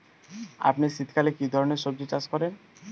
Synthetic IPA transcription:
a̰pnisit̪ʰkalekid̪ʱɔɾɔneɾʃɔb̚d͡ʒet͡ɕaskɔɾen

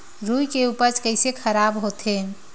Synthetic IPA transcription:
ɾujkeupət͡ʃkəɪsekʰəɾabɦot̪ʰe

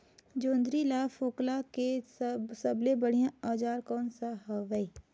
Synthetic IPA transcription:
d͡ʒoːnd̪ɾilaːfoːklakessɐblebəɽ̤ijãaːd͡ʒaːɾkɔːnsaɦɐʋəi

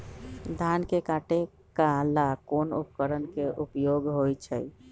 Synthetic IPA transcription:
d̪ʱankekaʈe | kalakonṵpəkəɾənkeʔupjoɡɦojt͡ʃʰə̰j

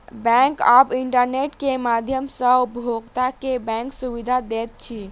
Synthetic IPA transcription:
bɛ̃ŋkabiɳʈəɾneʈkemad̪ʱjəmsə̃upbʱoɡt̪akebɛ̃ŋksubid̪ʱad̪et̪̚t͡ʃʰi

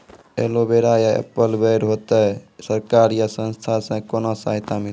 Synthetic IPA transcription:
ḛlobeɾajaə̰pəlbəjɾɦot̪əsəɾkaɾjasə̃nst̪ʰasə̃konosaɦit̪amil

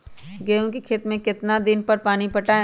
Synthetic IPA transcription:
ɡeːõkikʰet̪mẽkɪt̪nad̪ɪnpɐɾpaːnipɐʈa

